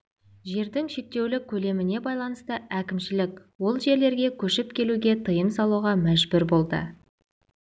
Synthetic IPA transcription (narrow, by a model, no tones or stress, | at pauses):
ʒe̞ɾd̪ɪŋʃe̞k̚t̪e̞wlɪkʲʰɵle̞mɪne̞bɑjlˠɑnəst̪əækʲɪmʃɪlɪkʲwo̞lˠʒe̞ɾle̞ɾɡʲe̞kʲʰɵʃɪpkʲʰe̞luɡʲe̞t̪ʰəjəmsɑlˠuʁɑmæʒbʏɾbo̞lˠd̪ə̰